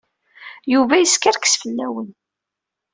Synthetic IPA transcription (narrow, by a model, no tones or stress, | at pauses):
juvæjəskaɾkə̥sfəlːæwən